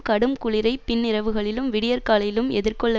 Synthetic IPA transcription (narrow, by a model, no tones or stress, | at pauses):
kɐɽɯmkʊɭɪɾɐɪppɪnːɪɾɐʋɯɣɐɭɪlɯmʋɪɽɪjɐɾkaːlɐjɪlɯmɛðɪrkɔɭːɐ